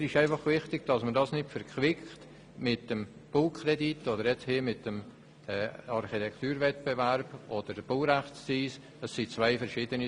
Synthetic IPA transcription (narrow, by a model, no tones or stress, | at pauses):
ɪʃæɪfɑχvɪχtɪɡ̥̚d̥ɑsmədɑsnɪtfɛɾkʰʋɪkχt | mɪtːəmb̥uːkʰχrɛditodəɾjɛt͡shiːmɪtːəm | ɛːɑɾχitʰɛkt̪yːɾvɛt̚bevæɾb̥od̥əɾdəb̥uɾæχt͡ssiːs | ɛsːit͡svaɪfɛɾʃiːdəni